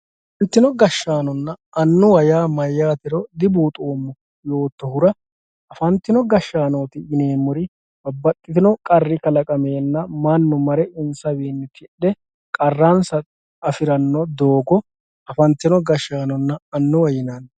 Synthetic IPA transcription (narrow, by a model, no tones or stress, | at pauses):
ɐfɐnt̪ːɪnɔɡɐʃːaːnɔnːɐ | ɐnːʊwɐjaːmɐjːaːt̪ɪɾɔd̪ɪbuːt̪ʼoːmːɔ | jo̞ːt̪ːɔhʊɾɐ | ɐfɐnt̪ːɪnɔɡɐʃːaːnoːt̪ɪɪneːmːʊɾɪ | bɐbːɐt̪ʼːɪt̪ɪnɔkʼɐrːɪkɐlɐkʼɐme̞ːnːɐmɐnːʊmɐɾɛʔɪnsɐwiːnːɪt̪ʰɪᶑːɛ | kʼɐrːansɐ | ɐfɪɾɐnːɔd̪o̞ːɡɔ | ɐfɐnt̪ːɪnɔɡɐʃːaːnɔnːɐɐnːʊwɐjɪnaːn